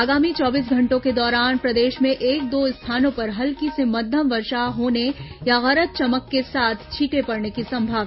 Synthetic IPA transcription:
aːɡaːmit͡ʃɔːbiːs̬ɡʱɐ̃ɳʈõked̪ɔːɾaːnpɾɐd̪eːʃmẽʔeːk̚d̪oːɪst̪ʰaːnõpɐɾɦɐlkisemɐd̪ʱjəmʋɐɾʃaɦoːnejaɣɐɾət̪̚t͡ʃɐməkːesaːt̪ʰt͡ʃʰiːʈepɐɾnekisɐ̃mbʱaːʋ

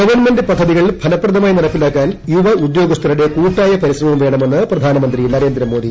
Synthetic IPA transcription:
ɡɐʋɐrnme̞ndɨpɐd̪ʱːɐðiɣɐɭbʱɐlɐpːrɐd̪ɐmaːjinɐɽɐpːilaːkːaːnjuʋɐud̪jo̞ːɡɐst̪ʰɐɾiɽe̞kuːʈːaːjɐpɐɾiɕrɐmɐmʋe̞ːɳɐme̞nːɨprɐd̪ʱaːnɐmɐnd̪rinɐɾeːnd̪ɾɐmoːd̪i

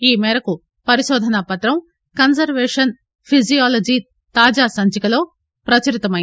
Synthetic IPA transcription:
iːmɛːɾɐku | pɐɾiʃɔːd̪ʱɐnɐpɐt̪ɾɐm | kɐnsɐɾʋɛːʂɐn | pʰizijaːlɐd͡ʒiː | t̪aːd͡ʒaːsɐɲt͡ʃikɐlo̞ː | pɾɐt͡ʃɐɾit̪ɐmɐj

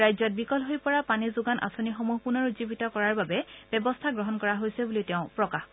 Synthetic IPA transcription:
ajzɔt̚bikɔlɦojpɔɹapanizʊɡanʔa̰sonixomuɦpunɔɹuzibitɔkɔɹaɹbabɛb̥ɛbɔstʰaɡɹɔɦɔnkɔɹaɦojsɛbulitɛʊ̃pɹɔkax

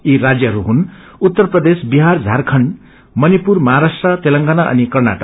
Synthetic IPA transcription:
iɾad͡zjʌɦʌɾuɦun | ut̪ːʌrprʌd̪esbiɦard͡zʱarkʰʌn | mʌnipurmʌɦaɾasʈrʌt̪elʌŋɡanaʔʌ̰nikʌrna̰ʈʌ

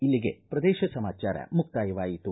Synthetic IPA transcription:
ilːiɡe̞̰pɾɐd̪ɛːʃɐsɐmaːt͡ʃa̰ːɾɐ̰muk̚t̪aːjɐʋaːjit̪u

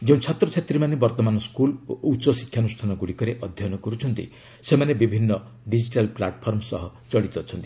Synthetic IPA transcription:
d͡ʒeũt͡ʃʰɔt̪ɾɔt͡ʃʰet̪ɾimanebɔɾt̪ɔmanɔskulutːt͡ʃɔsi̥kʰːjanusʈʰanɔɡuɽikɔɾeʔɔd̪ʱjɔnɔkɔɾut͡ʃʰɔnt̪ḭ | semanebibʱinːɔ | ɖid͡ʒiʈalplaʈpʰɔɾmɔsɔɦɔ | t͡ʃɔɽit̪ɔt͡ʃʰɔnt̪i̥

